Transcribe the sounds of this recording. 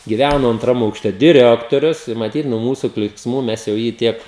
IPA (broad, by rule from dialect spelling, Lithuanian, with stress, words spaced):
ɡʲɪˈʋʲænoː ɐntˈrɐm ɐʊkˈʃʲtʲɛ dʲɪˈrʲæːktoːrʲʊs ɪ mɐˈtʲiːt nuɔ ˈmuːsʊ klʲiːksˈmuː ˈmʲɛs jɛʊ ˈjiː ˈtʲiɛk